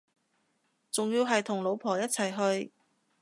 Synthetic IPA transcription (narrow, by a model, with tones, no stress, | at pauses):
t͡sʊ˨ŋjiː˧wɦɐ˨jt̪ʰʊ˨˩ŋlo˨˧wpʰɔː˨˩jɐ˥t̚t͡sʰɐ˨˩jɦɵ˧ɥ